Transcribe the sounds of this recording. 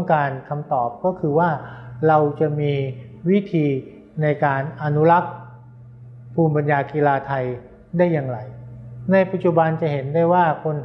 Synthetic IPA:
ŋkaː˧nkʰa˧mt̪ɔː˨˩p̚kɔː˥˩kʰɯː˧waː˥˩ɾa˧wt͡ɕa˨˩miː˧ | wi˦˥t̪ʰiː˧ | na˧jkaː˧nʔa˧nu˦˥la˦˥k̚ | pʰuː˧mpa˧njaː˧kiː˧laː˧t̪ʰa˧j | daː˥˩jːa˧ŋɾa˧jna˧jpa˨˩t̪̚t͡ɕu˨˩ba˧nt͡ɕa˨˩he˩˦ndaː˥˩jwaː˥˩kʰo˧n

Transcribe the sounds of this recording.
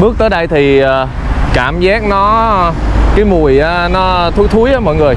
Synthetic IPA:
ɓɨ˦˥ək̚t̪əː˨˦jɗa˧jt̪ʰi˨˩əː˨˩ | kaː˧˩mzaː˦˥k̚nɔ˨˦ | kaː˨˦jmu˨˩əjʔaː˨˧nɔ˨˦t̪ʰu˨˦jt̪ʰu˨˦jʔəː˨˦mɔ̰˧˨jŋɨ˨˩əj

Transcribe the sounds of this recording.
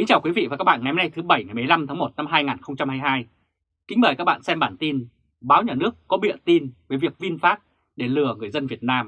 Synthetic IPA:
ï˨˦ŋ̟t͡ɕaː˨˩wkwi˨˦vḭ˧˨vaː˨˩kaː˦˥k̚ɓa̰ː˧˨ŋa˨˦ja˧na˧jt̪ʰɨ˨˦ɓə˧˩jŋa˨˩jm˨˩ə˩jla˧mt̪ʰaː˨˦mo˨˩t̚na˧mɦaː˧jŋaː˨˩nxə˧wŋ͡mt͡ɕa˧mhaː˧jɦaː˧j | kï̟˨˦ɓəː˨˧˩jkaː˦˥k̚ɓa̰ː˧˨nsɛ˧mɓaː˧˩nt̪i˧n | ɓaː˨˦wɲaː˨˩nɨ˦˥əkːɔ˨˦ɓḭ˧˨ənt̪i˧nvəː˨˦jvi˨˩ək̚vi˧nfaː˦˥t̚ | ɗe˧˩lɨ˨˧˩əŋɨ˨˩əjzə˧nvi˨˩ət̚naː˧m

